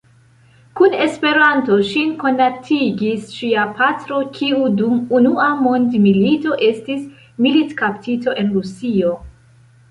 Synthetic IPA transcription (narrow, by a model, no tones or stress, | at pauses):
kune̞spe̞ɾanto̞ʃinko̞natʰiɡisʃiapʰatɾo̞kʰiudumunuamo̞ndmilito̞ʔe̞stis | militkaptʰito̞ʔe̞nɾusio̞